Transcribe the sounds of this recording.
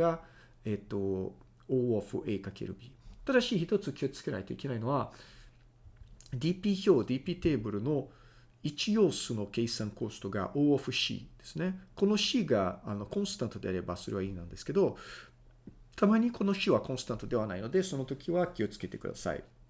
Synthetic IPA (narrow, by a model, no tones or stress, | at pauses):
a | et̪ːo̞ | oːɸɯ̟ʔeːkakeɾɯ̟̰bʲiat̪ad̪aɕiːçi̥t̪o̞t͡sɨkʲio̞i̥t͡sɨ̥ke̞na̰et̪o̞ḭke̞naino̞βa | d̪ʲiːpʲiçoːd̪ʲiːpʲiːt̪e̞ːbɯ̟ɾɯ̟no̞ | it͡ɕijo̞ːsɨno̞ke̞isãŋko̞ːst̪o̞ɡa̰ʔoːoɸɯ̟ɕḭːd̪̥e̞̥sɨne̞ko̞no̞ɕiːɡaano̞kõ̞sɨ̥t̪ãnt̪o̞d̪e̞aɾe̞ba̰so̞ɾe̞βaiːnãnd̪e̞sɨ̥ke̞d̪o̞ | t̪ʰamaɲ̟ikʰo̞no̞ɕiβakõ̞sɨ̥t̪ãnt̪o̞d̪e̞β̞anaino̞d̪e̞so̞no̞t̪o̞kʲiβakʲio̞t͡sɨ̥ke̞t̪e̞̰kɯ̟d̪a̰sa̰ḭ